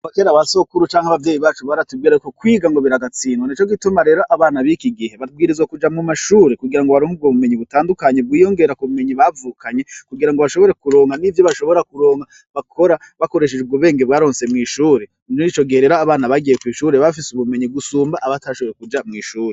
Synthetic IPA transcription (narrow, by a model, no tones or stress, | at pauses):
akeːɾawaso̞kuɾut͡ʃaːŋhaβavje̞ːjiβaːt͡ʃuβaɾatub̚ɡiɾaɾikokwiːɡaŋɡo̞βiɾaɡat͡siːnwaniːt͡ʃo̞ɡitumaɾe̞ːɾoʔaβaːnaβikiɡihe̞βaɡiːɾizwakud͡ʒamŋumaʃuːɾekuɡiɾaŋɡoβaɾoŋhub̚ɡoβume̞ɲiβutaːndukaɲe̞b̚ɡwiːjo̞ŋɡe̞ɾakuβume̞ɲiβavuːkʰaɲe̞kuɡiɾaŋɡoβaʃo̞βo̞ɾe̞kuɾo̞ːŋɡanivjo̞βaʃo̞βo̞ɾakuɾo̞ːŋa | βakʰo̞ɾa | βako̞ɾe̞ʃ̬ed͡ʒebɡuβeːŋɡeβwaːɾo̞ːnse̞mŋiːʃuːɾe | nonit͡ʃo̞ɡihe̞ɾe̞ːɾoaβaːnaβaɡijekwiːʃuːɾeβafisuβume̞ɲiɡusuːmbaʔːβataʃoβo̞ɾekud͡ʒamŋiːʃuːɾe